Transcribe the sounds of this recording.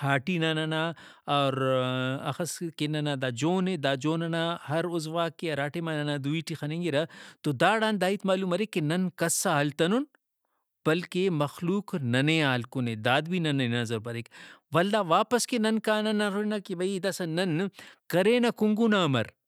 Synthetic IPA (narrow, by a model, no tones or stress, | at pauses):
haːʈinɐnɐnaɔːɾɐ̰xɐskenɐnad̪aːd͡ʒoːned̪aːd͡ʒoːnɐnahɐɾʊzʋaːkeɐɾaːʈemanɐnad̪uiːʈixɐnẽŋɡiɾɐt̪od̪aːɽaːnd̪aːit̪maːluːmɐɾekːenɐnkɐsaɦɐlt̪ɐnun | b̥ɐlkemɐxluːknɐneaːlkoned̪aːd̪bʱinɐnɐnɐzɐɾbɐɾekʋɐld̪aːʋaːpɐskenɐnkaːnɐnɐɾonɐkibɐid̪ɐsɐnɐnkɐɾeːnɐkʊŋɡunamɐ̰ɾ